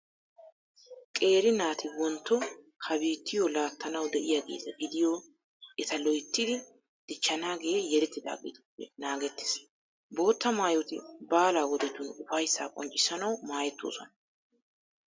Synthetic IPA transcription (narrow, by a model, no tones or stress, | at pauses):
kʼe̞ːɾɪnaːt̪ʰɪwɔnt̪ːɔ | kʰɐbiːt̪ːɪjɔlaːt̪ʰːɐnɐwd̪ɛʔɪjaːɡḛːzɐɡɪd̪ɪjoː | ʔɛt̪ɐlɔjt̪ːɪd̪ɪ | d̪̥ɪt͡ʃːɐnaːɡe̞ːjɛɾɛt̪ːɪd̪a̰ːɡɪ̰d̪ʊpːɛ̰naːɡɛt̪ːɪ̥s | bo̞ːt̪ːɐmaːjot̪ɪ̰baːlaːwɔd̪ɛt̪ʊnʊfɐjsːaːkʼɔ̰nt͡ʃʼɪsɐnɐwmaːjɛt̪ːo̰ːsɔnɐ